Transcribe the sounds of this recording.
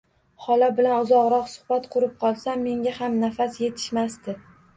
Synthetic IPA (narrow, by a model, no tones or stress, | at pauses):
hɒlabɪlanʊzɒʁɾɒqsʊ̥χbat̪qʰʊɾɪp̚qʰɒlˠsamːe̞ŋʲahamnafasje̞t̪ʰɪ̥ʃmast̪ɪ